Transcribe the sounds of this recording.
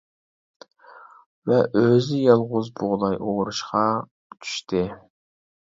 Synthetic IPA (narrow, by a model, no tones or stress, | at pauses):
vɛʔøzɪjɑlˠʁʊzboʁlˠɑjʔoʁɾuʃqɑ | t͡ʃʰy̥ʃt̪ʰɪ